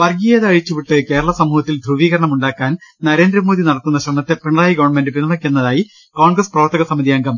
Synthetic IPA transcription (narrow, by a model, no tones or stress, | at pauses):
ʋɐrɡijɐðɐɻit͡ɕːuʋiʈːɨke̞ːɾɐɭɐsɐmːuːɦɐt̪ːild̪ʱruʋiːɣɐɾɐɳɐmuɳɖaːkːaːnnɐɾe̞ːnd̪ɾɐmo̞ːðinɐɽɐt̪ːunːɐɕrɐmnɐt̪ːe̞peɳraːjiɡɐʋɐɳme̞nɖɨpinːɐmɐkʲːunːɐðaːji | koːɳɡrɐsprɐʋɐrt̪ːɐɣɐsɐmɐðijɐŋɡɐm